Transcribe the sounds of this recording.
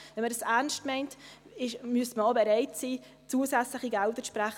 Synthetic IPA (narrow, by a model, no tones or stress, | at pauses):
vɛnmədəsæɾnstmɛɪnt | ɪʃmyəsməobɛɾɛɪtsiː | t͡suːəsæt͡slɪχiɡældət͡spræχ